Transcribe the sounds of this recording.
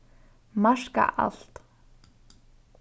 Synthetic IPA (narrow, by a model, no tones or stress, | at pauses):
maʂka̰ʔa̰ɬt̪